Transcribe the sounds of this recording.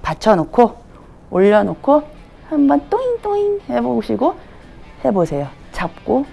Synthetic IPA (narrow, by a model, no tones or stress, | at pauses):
pat͡ɕʰʌnokʰo | oʎːʌnokʰo | hambʌnt͈oint͈oinheboɕʰiɡo | he̞bosʰe̞jo | t͡ɕap̚k͈o